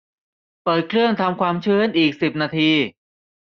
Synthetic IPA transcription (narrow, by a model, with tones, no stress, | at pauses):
pɤː˨˩t̪̚kʰɾɯ˥˩əŋt̪ʰa˧mkʰwaː˧mt͡ɕʰɯː˧˥˩nʔiː˨˩k̚si˨˩p̚naː˧t̪ʰiː˧